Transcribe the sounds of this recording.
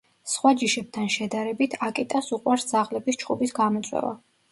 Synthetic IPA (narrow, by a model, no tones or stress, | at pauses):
sχwad͡ʒiʃɛb̚t̪ʰanʃɛd̪aɾɛbit̪ʰakʼɛt̪ʼasuqʼwaɾsd̪zaʁlɛbist͡ʃʰqʼubisɡamɔt̪sʼwɛ̰va̰